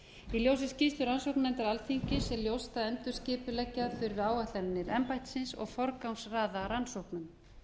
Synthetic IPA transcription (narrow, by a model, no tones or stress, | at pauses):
iljows̬ɪscist̪ʏɾansowknɛnt̪ɪɾalθiɲcɪsɛljowst̪aðɛnt̪ʏ̥scɪːpʏlɛcːaðfɪɾvɪaːwaht̪lɛnnːɪɾɛmpajht̪sɪnsɔ̰ɣfɔɾkawnsraːðaɾansowhknʏm